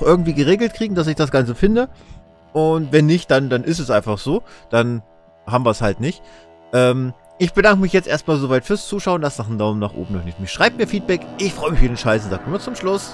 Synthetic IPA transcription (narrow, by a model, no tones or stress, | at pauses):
xʔɪɐɡŋ̩tv̥iːɡəʁ̞eːɡl̩tkʁ̥iːɡŋ̩d̥as̬ɪçd̥asɡ̥ant͡səfɪndə | ʔʊntvɛnːɪçt̚d̥andanʔɪs̬tɛsʔaɪnfaχz̥oːd̥an | haːbm̩viːɐshaltnɪçt | ʔɛːm | ʔɪçb̥ədaŋkəmɪçjɛt͡stʔeːɐstmaːlzovaɪtfyːɐst͡suːʃaʊənlasnaːχmdaʊmənaːχʔo̰ːbm̩nɔχnɪçtmɪçʃʁ̥aɪbəmiːɐfiːt̚b̥ɛkʔɪçfʁ̥ɔʏəmɪçfidɪnʃaɪsnzaːk̚tuːmat͡sʊmʃlʊs